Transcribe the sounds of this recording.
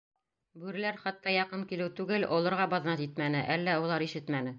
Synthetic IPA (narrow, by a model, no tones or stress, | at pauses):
bʉɾɘ̆læɾχɑt̪ːɑjɑqɤnkilɘwt̪ʉɡɘlʔolˠɤ̆ɾʁɑbɑðnɑt̪it̪mænɘʔælːæulˠɑɾiʃɘt̪mænɘ